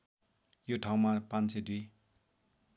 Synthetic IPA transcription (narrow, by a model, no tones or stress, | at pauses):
joʈʰaw̃marpãnt͡sed̪wi